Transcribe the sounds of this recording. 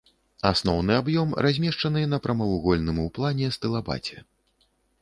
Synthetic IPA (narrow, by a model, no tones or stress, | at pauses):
asnɔwnɨabjɔmrʔazʲmʲɛʂt͡ʂɐnɨnɐpɾɐmɐvuɣɔlʲnɨmuplˠanʲɛst̪ɨlˠaba̰t͡sʲɛ